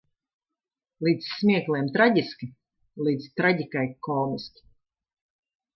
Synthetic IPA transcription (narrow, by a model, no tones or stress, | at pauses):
lˠiːd̪ssmʲiɛklˠɛːmt̪ɾaɟʲiskʲi | liːd̪zt̪ɾaɟʲikajkʰɔːmiskʲi̥